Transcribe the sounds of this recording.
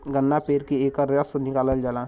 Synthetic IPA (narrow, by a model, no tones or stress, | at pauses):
ɡənːapeːɾkieːkəɾəsonɪkaːləld͡ʒalãː